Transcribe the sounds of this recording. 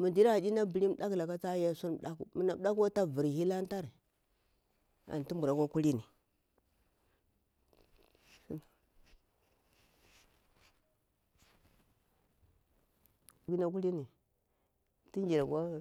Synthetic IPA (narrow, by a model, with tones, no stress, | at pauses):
mu˨ndi˦ɾa˦a˨di˦na˦bi˨li˦m˦ɗa˦kla˨ka˦t͡sa˦ja˦˨su˦n˦m˨ɗa˦ku˨mu˨na˨m˦ɗa˦ka˦ta˦˨vi˨ɾhi˦la˦n˦ta˦ɾ | a̰˨n˨ti˦mbu˨ɾa˨kʷa˦ku˦li˦ni˨˦˨ | ɡi˦na˦ku˦li˦ni˨ | ti˦nd͡ʒi˨ɾa˨ɡʷa˦